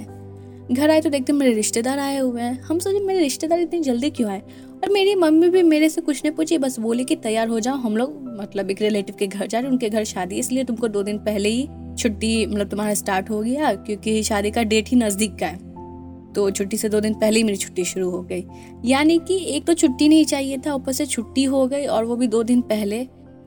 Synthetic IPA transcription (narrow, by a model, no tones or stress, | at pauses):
ɛ | ɡʱɐɾaːet̪od̪eːk̚t̪eɦɛ̃meːɾeɾɪʃt̪ed̪aːɾaːeɦʊeɛ̃hɐmsoːd͡ʒẽmeːɾeɾɪʃt̪ed̪aːɾɪt̪neid͡ʒɐld̪ikjõaːe | ɔːɾmeːɾimɐmːibʱimeːɾesekʊt͡ʃʰnɐɦĩpuːt͡ʃʰibɐsboːlikit̪ɐjːaːɾɦod͡ʒaːoɦɐmloːɡmɐt̪ləbeːkɾɪleːʈɪʋkeɡʱɐɾd͡ʒaːɾeʊ̃nkeɡʱɐɾʃaːd̪iɪsliet̪ʊmkod̪oːd̪ɪnpɛɦleɦit͡ʃʰʊʈːimɐt̪ləb̚t̪ʊmaːɾasʈaːɾʈɦoɡɐjakjõːkiʃaːd̪ikaɖeːʈɦinɐzd̪iːkːaɛː | t̪oːt͡ʃʰʊʈːised̪oːd̪ɪnpɛɦleimeːɾit͡ʃʰʊ̥ʈːiʃʊɾuɦoɡɐiː | jaːnikieːk̚t̪ot͡ʃʰʊʈːinɐɦĩt͡ʃaːɦiet̪ʰaʊpəɾset͡ʃʰʊʈːiɦoɡɐiɔːɾʋobʱid̪oːd̪ɪnpɛɦle